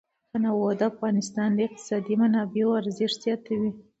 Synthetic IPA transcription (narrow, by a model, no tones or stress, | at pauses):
anawod̪əafɣɑnɪst̪ɑnləɪq̚t̪ɪ̥sɑd̪imanɑbeoaɾzɪʂz̥jɑt̪awi